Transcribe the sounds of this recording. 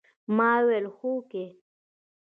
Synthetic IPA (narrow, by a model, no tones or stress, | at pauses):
maːwelxuke